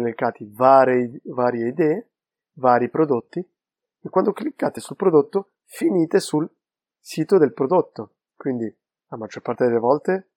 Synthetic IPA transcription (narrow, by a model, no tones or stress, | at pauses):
nekːaːt̪ivaːɾevaːɾjeid̪ɛːe | vaːɾipɾod̪ot̪ːi | ekːwand̪oklikːaːt̪esulpɾod̪ot̪ːo | finiːt̪esul | siːt̪od̪elpɾod̪ot̪ːo | kwind̪i | amad͡ʒːorpart̪ed̪elevɔlt̪e